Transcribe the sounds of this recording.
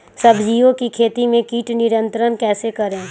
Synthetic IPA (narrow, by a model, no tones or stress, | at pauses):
sɐbʱd͡ʒiːõkikʰeːt̪imẽkiːʈnɪɾə̃nt̪ɾənkɛːsekɐɾẽː